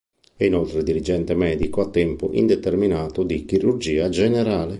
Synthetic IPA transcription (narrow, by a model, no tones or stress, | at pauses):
ɛinolt̪ɾed̪iɾid͡ʒɛnt̪emɛːd̪ikoat̪ːɛmpʊʔḭnd̪ɛt̪erminaːt̪ud̪ikiɾurd͡ʒiːad͡ʒɛnɛɾaːle